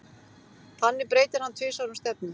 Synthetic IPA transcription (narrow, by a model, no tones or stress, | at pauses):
θanːɪpɾeːjt̪ɪɾ̥hanːt̪ʰvɪːsaɾʏmst̪ɛp̚nʏm